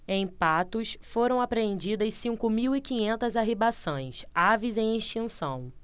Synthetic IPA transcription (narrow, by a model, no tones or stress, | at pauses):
ẽj̃pat̪ʊsfoɾɐ̃w̃apɾeẽnd͡ʒid̪ɐssĩŋkʊmiwikĩɲẽnt̪ɐzaɦibasõj̃savizẽj̃ĩʃt͡ʃĩsɐ̰̃w̃